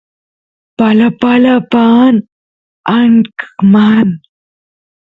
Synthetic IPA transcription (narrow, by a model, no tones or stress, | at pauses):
palapalapan | aɳkman